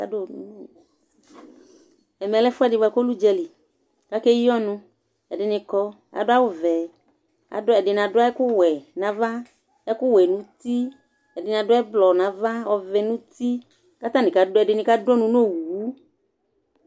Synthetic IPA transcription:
a̰˨do˦˨nṵ̃˨no˦˨ | ɛ˨mɛ˨lɛ˦fʊ˦ɛ˦˨dɪ˨a˨ko˦lu˦d͡ʒɛ˧lɪ˨ | ka˦ke˦ji˦ɔ˦nʊ̃˧ | ɛ˨dɪ˨nɪ̃˧kɔ˧ | a̰˨dʊ˦a˦wʊ˦vɛ˨ | a̰˨dʊ˦ɛ˨dɪ˨n˨a˨dʊ˦a˦ɛ˦kʊ˦wɛ˨nã˨va˦ | ɛ˦kʊ˦wɛ˨nũ˨˦t̪i˦ | ɛ˨dɪ˨n˨a˨dʊ˦ɛ˦blɔ˨nã˨va˦ɔ˨vɛ˨nũ˦t̪i˦ | ka˦t̪ã˦nɪ̃˨ka˨dɛ˨dɪ˨nɪ̃˨ka˦dɔ˦nũ˦n˦o˦˨wu˨˦

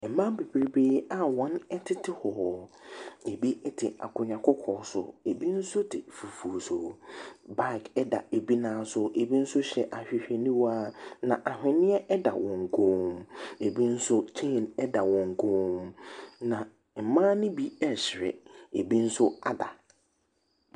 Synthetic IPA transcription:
m̩˨mã˦m˦be˨bi˨ɾi˨beː˦a˨wɔ̃˦nɛ˦tʰɪ˦tʰɪ˨hɔ˨ | e˨bi˦ɛ˦tʰɪ˨a̰˨kʊ˨ɲã˨kʰɔ˦kʰɔː˨˦sʊ̰˨e˨bi˦n̩˦sʊ˦tʰɪ˨fu˨fu˨so˨ba˦˨ɪ˨kʰɛ˦da̰˨e˨bi˦nãː˨˦sʊ˦ʔe˨bi˦n̩˦sʊ˦ɕɛ˨ʔa˨ɕᶣɪ˨ɕᶣɛ˨nĩ˦waː˦nã˨ʔa˨hᶣɪ̃˨nɪ̃˦ɛ˦ʔɛ˦da̰˨wɔ̃˨ŋ˨ɡʰõ˦me˨bi˦n̩˦sʊ˦t͡ɕʰẽ˦˨nɛ˦da˨wɔ̃˨ŋ˨ɡʰõː˦mnã˨ | m̩˨mãː˦nɪ̃˦bi˦ɛ˦˨ɕɪ˨ɾɛ̰˨e˨bi˦n̩˦sʊ˦a˨da̰˨

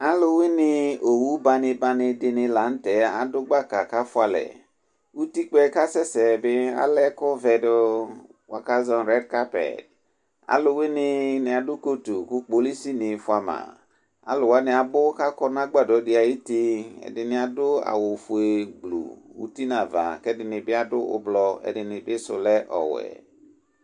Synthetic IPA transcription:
a˦lʊ˦wɪ˦nɪ˦o˨wu˦ba˦nɪ˧ba˦nɪ˧dɪ˨nɪ˧la˨˦n̩˦tɛ˨˦a˨dʊ˦ɡ͡ba˦˨ka˨ka˦fʊ˦a˨lɛ̰˨ | u˦ti˦k͡pɛ˦ka˦sɛ˦sɛ˨bɪ˦a̰˦lɛ˦kʊ˦vɛ˨dʊ˦ | wa̰˨ka˦zɔ˦nɾɛ˦dka˦pɛ̰˨d | a̰˦lʊ˦wɪ˦nɪ˦nɪ˨a˨dʊ˦ko˦tu˨kʊ˦k͡po˨˦li˦si˦nɪ˨fʊ˦a˨mã̰˨ | a̰˨lʊ˨wa˦nɪ˨a˨bʊ˦ka˦kɔ˦na˦ɡ͡ba˨dɔ˨˦dɪ˨˦a˨ji˦ti˦ɛ̰˨dɪ˨nɪ˨a˨dʊ˦a̰˨wo˨fu˨e˨ɡ͡blṵ˨ṵ˦ti˦nã˨va̰˨kɛ˦dɪ˨nɪ˨bɪ˦a˦dʊ˦ʊ̰˦blɔ˦ɛ̰˨dɪ˨nɪ˨bɪ˦sʊ̰˨lɛ˦ʔɔ̰˨wɛ̰˨

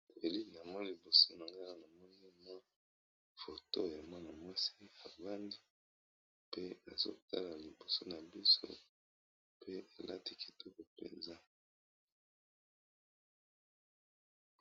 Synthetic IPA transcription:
e˨li˦ni˨a˨mɔ˦ni˦li˨bo˨so˦na˨ŋɡa˦la˦na˨mɔ˦ni˦ma˦ | fo˨to˦ja˨mwa˦na˨mwa˦si˦a˨va˦ndi˦ | pe˦a˨zo̰˦˨ta̰˦la˨li˨bo˨so˦na˨bi˦so̰˦ | pe˦e˨la̰˦ti˦ki̥˨tʰɔ˦ko˨pḛ˨nza˦

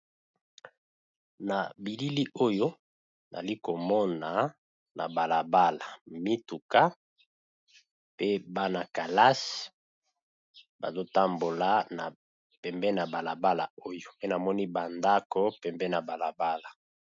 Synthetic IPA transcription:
na˨bi˨li˦li˦ʔo˦jo˦ | na̰˨li˦ko˨mɔ˦na˨ | na̰˨ba˨la˨ba˦la˨mi˦tu˨ka˦ | pe˦ba˦na˨ka˨la˦s | ba̰˨zo˦ta˦mbo˨la˨˦na̰˨ | pɛ˨mbɛ˦na˨ba˨la˨ba˦la˨o˦jo˨pe˦na˨mɔ˦ni˦ba˨nda˦ko˦pɛ˨mbɛ˦na˨ba˨la˨ba˦la˨

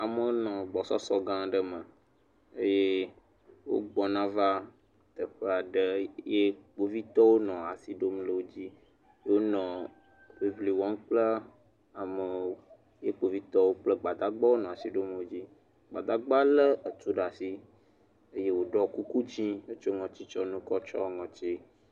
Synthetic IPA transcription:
a˨mə˦o˦nɔ̃˨ɡ͡bɔ˨sɔ˦sɔ˦ɡã˦ɖə˦mə˨ | ə˦je˦ | wo̰˦ɡ͡bɔ˨nã˦va˦ | t̪ə˨ɸə˦a˨ɖə˦je˦k͡po˦vi˦t̪ɔ˦wo˦nɔ̃˨a˨si˦ɖo˦mlə˦wo˦d͡ʑi˦ | jwo˦nɔ̃˨ | wi˨vli˨wɔ̃˦nk͡plə˦ | a˨mə˨˦ | je˦k͡po˨vi˦t̪ɔ˦wo˦k͡plə˦ɡ͡ba˨d̪a˦ɡ͡ba˦wo˦nɔ̃˨a˨si˨ɖo˦m˦wo˦d͡ʑi˦ | ɡ͡ba˨d̪a˦ɡ͡ba˦lə˦ə˨t̪u˦ɖa˨si˦ | ə˦je˦wo˦ɖɔ˦ku˦ku˦d͡ʑĩ˦wo˦t͡ʃo˦ŋɔ̃˨t͡ɕi˦t͡ʃɔ˦nũ˦kɔ˦t͡ʃɔ˦ŋɔ̃˨t͡ɕi˦

